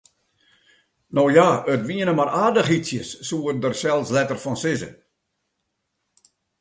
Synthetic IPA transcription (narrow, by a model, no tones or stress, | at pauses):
noːjaətʋiənəmaraːdəxisjəsːuərdərsɛlˠslɛtərfɔnsɪzə̰